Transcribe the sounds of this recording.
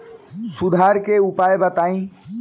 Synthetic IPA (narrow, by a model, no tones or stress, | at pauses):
sud̪ʱaɾkeupajbət̪aĩ